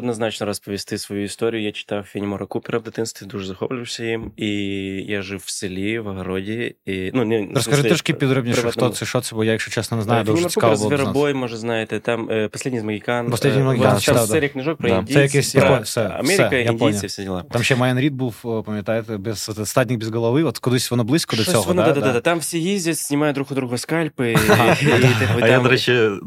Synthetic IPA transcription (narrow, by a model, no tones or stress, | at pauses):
ɐd̪nɐznat͡ɕnəɾɐspəvʲɪst̪ɨsvɐjuɪst̪oɾʲɪjʊjat͡ɕɪ̥t̪awfʲɪnʲɪmoɾɐkupʲɪɾəvd̪ɨt̪ɨnst̪ʲɪd̪uʐɨzɐxoplʲʊʃsʲəjimijaʐɨffsʲɪlʲivɐɣɐɾodʲɪinunʲɛɾəskɐɨt̪ʲoʂkʲipʲɪd̪ɾobnʲɪʂft̪ot̪sɨʂot̪sʲɪbojajɪxɕot͡ɕesnənʲɪznajʊd̪ooɾsʲukaɾˠzb̪ˠvʲɪɾɐbojmoʐɨt̪znajɪt̪ʲɪt̪aməpɐsʲledʲnʲɪiɪzməɡʲɪkanpɐslʲedʲnɪjməɡʲɪkanst͡ɕɪt̪ad̪ɾʲɪkʲnʲɪʐok̚pdɾəasɐkjesʲtʲɾɪxxojt̪fsʲoɐ̰mʲeɾojaponʲlfsʲedʲɪlˠat̪amɕemɐjanɾʲid̪̚bufpəmʲɪt̪ajɪt̪bʲɪsʋot̪ɛt̪st̪adʲnʲɪk̚bʲɪzɡəlˠɐvɨʋot̪kʊd̪ɨsʲtʲvonoblˠɨsʲkəd̪sʲoad̪ad̪ad̪ad̪at̪amfsʲejezʲdʲɪt̪ʲsʲnʲɪmajd̪ɾuxʊd̪ɾuɣoskalʲpɨaaɐjad̪ɾɐɕe